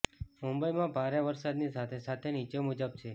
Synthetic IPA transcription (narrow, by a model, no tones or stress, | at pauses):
mumbəimãbʱaɾeʋəɾsad̪nisat̪ʰesat̪ʰenit͡ʃemud͡ʒəb̚t͡ʃʰe